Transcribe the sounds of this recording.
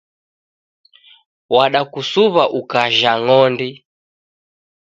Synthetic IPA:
waɗakusuβaʔukaʒaŋɔndi

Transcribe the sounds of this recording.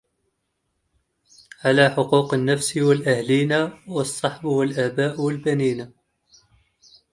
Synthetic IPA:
ʕalaħʊquːqənːæfsiwəlʔæhliːnawɑsˤːɑħbwəlʔæːbaːʔwəlbæniːna

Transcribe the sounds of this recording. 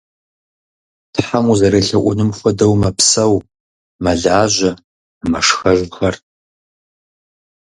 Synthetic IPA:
tħamuzɐɾɐɬɐʔʷʊnɨmxʷɔdɐwmɐpsɐw | mɐɮaːʑʷɐ | mɐʂxɐʒʷxɐr

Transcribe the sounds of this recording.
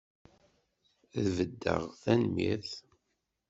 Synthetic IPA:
ðvəd̪ːə̰ʁθænmḭθ

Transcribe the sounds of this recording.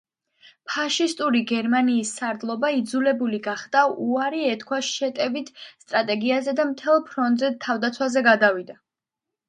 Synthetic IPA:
pʰaʃist̪ʼuɾiɡɛɾmaniːsːaɾd̪lˠɔbaid̪zulɛbuliɡaχd̪̥auaɾiɛt̪kʰwaʃɛt̪ʼɛvit̪ʰst̪ʼɾat̪ʼɛɡiazɛd̪amt̪ʰɛlˠpʰɾɔnt̪ʼzɛt̪ʰːavd̪at̪sʰwazɛɡad̪avid̪a

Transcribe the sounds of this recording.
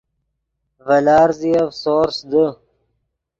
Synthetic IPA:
vɐlɑːɾziavsoːɾsd̪ə

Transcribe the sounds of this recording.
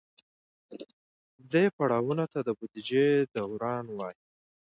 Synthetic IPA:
d̪əjpaɽɑwunot̪ad̪əbud̪id͡ʒed̪awɾɑnwɑji

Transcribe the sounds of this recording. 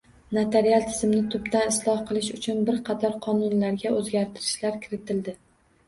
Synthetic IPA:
nat̪ʰeɾialˠt̪ʰɪzɪmnɪt̪ʰʊbd̪anɪslˠɒhqʰɨlˠɪʃʊt͡ʃʰʊnbɪɾqʰɑt̪ʰɒɾqʰɒnʊnlaɾɡʲaʔɵzɡʲaɾt̪ʰɪɾɪʃlaɾkʲʰɪɾɪt̪ʰɪld̪ɪ

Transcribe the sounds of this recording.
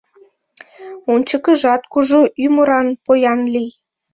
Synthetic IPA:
unʲt͡ɕə̆kə̆ʒɑt̪̚kuʒuyməɾɑnpojɑnlij

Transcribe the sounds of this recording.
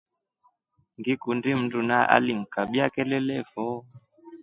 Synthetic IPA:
ŋɡikundim̩dunaʔa̰liŋ̩kaɓiakɛlɛlɛvɔ

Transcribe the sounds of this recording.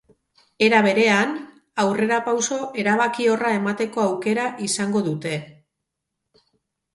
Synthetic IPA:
e̞ɾaβ̞e̞ɾe̞an | awre̞ɾapawso̞ʔe̞ɾaβ̞akio̞rae̞mat̪e̞ko̞awke̞ɾaʔisaŋɡo̞ðut̪e̞

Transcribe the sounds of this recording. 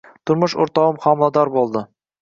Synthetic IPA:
t̪ʰʊɾmʊʃo̰ɾt̪ɑwʊmqʰɒmlˠɑd̪ɑɾbolˠd̪ɪ

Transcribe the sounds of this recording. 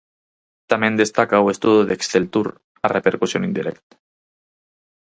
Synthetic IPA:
t̪amend̪est̪akawest̪uðuðeksθelt̪uɾ | arepeɾkusjonind̪iɾʔḛkt̪

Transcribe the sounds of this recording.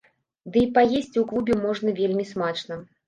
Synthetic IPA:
d̪ɨipajesʲt͡sʲuklˠubʲɪmɔʐnɐvʲelʲmʲismat͡ʂnɐ

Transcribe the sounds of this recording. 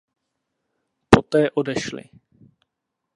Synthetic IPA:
pot̪ɛːʔodɛʃlɪ̰

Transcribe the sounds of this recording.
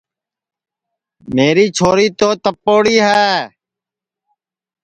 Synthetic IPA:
meːɾiːt͡ʃʰoːɾiːt̪oːt̪əpːoːɽiːɦɛː

